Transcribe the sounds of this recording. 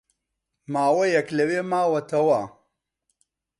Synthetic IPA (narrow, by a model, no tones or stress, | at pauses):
maːwɐjɐklɐweːmaːwɐt̪ʰɐwa